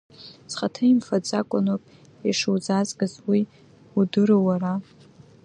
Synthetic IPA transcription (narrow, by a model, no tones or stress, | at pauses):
sχatʰaimfad͡zakʷʼʊnopʼ | iʂuwzazɡazwi | udɨɾowara